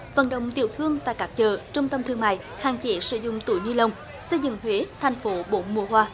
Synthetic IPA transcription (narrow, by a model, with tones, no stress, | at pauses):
və̰˨˩nɗə̰˧˨wŋ͡mt̪ḭ˧˨əwt̪ʰɨ˧əŋt̪a̰ː˧˨kaː˦˥k̚t͡ɕəː˨˩t͡ɕʊ˧ŋ͡mt̪ə˧mt̪ʰɨ˧əŋma̰ː˧˨j | haː˧˩ŋt͡ɕe˨˦sɨ̰˧˥zʊ̰˧˨ŋ͡mt̪u˧˩jɲɨ˧lə˨˩wŋ͡m | sə˧jzɨ̰˧˨ŋhwe˨˦t̪ʰa˨˩jŋ̟fo˨˦ɓo˧˦mu˨˧˩əɦwaː˧